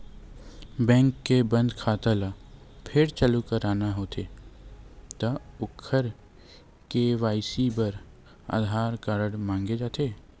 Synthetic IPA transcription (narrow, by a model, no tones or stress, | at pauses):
bɛ̃ːŋkːebə̃nd̪kʰaːt̪əlapʰɪɾt͡ʃəlukəɾaːnaɦoːt̪ʰe | t̪ɐʊkʰːəɾ | keʋaːɪsibəɾ | a̰ːd̪ʱaːɾkaːɾəɽmãːŋɡed͡ʒaːt̪eː